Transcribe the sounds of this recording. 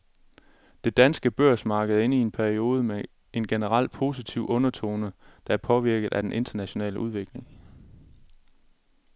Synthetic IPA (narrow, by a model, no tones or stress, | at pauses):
d̥e̝d̥ænsɡ̥əb̥øɐ̰smɑ̈ːɡ̥əð̩ˠe̝nie̝npʰæɐio̝ːð̞ˠəme | e̝nɡ̥enəʁɑl̰d̥̚pʰo̝sit͡sʰiʊʔɔ̽nɐt͡sʰo̝̰ːnəd̥ɑ̈æɐpʰɒ̽ʋiɐɡ̥ð̩ˠæd̥enʔe̝nd̥ɐnæɕo̝nɛ̰ːləʔuð̞ˠʋe̝ɡ̥le̝ŋ